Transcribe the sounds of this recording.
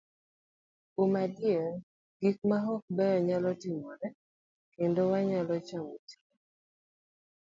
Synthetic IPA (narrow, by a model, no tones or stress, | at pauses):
umadje | ɡik̚maɦɔk̚bɛjɔɲalɔtimɔnɛ | kendowaɲalɔt͡ʃamoti̥